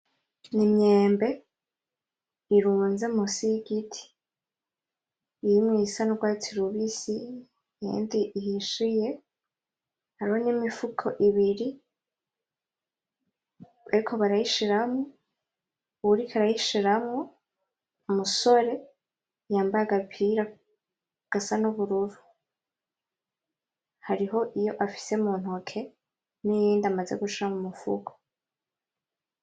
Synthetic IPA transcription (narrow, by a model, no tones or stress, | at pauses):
nimɲeːmbe̞ | iɾuːnzemusiɡitʰi̥ | jimŋiːsanoɡwaːtiɾuβisi | jḛːndiiɦiʃije̞ | haɾihonimifukʰoʔiβiɾi | βaɾikʰo̞βaɾajiʃiɾamŋo | uɾikʰaɾajiʃiɾamŋo | muso̞ɾe̞ | jaːmbajaɡapʰiɾa | ɡ̥asanuβuɾuɾu | haɾiɦo̞ʔijo̞ʔafi̥se̞umuːn̥okʰe̞ | nijiːndamaze̞ɡut͡ʃiɾamumufṵkʰo̥